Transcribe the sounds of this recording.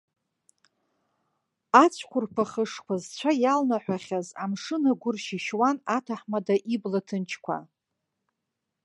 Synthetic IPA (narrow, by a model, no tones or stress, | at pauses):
at͡ɕʷʰkʷʰʊrpʰaχəʂkʷʰazt͡ɕʷʰajalnaħʷaχʲazamʂɨnaɡʷʊrʃiʃwanatʰaħmadaʔiblatʰɨnt͡ʃʰkʷʰa̰